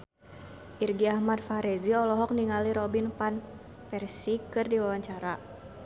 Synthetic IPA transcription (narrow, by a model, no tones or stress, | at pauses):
ʔirɡiahmad̚faɾɛziɔlɔɦɔk̚niŋaliɾɔbinpan | pɛrsikɨrdiwawaɲt͡ʃaɾa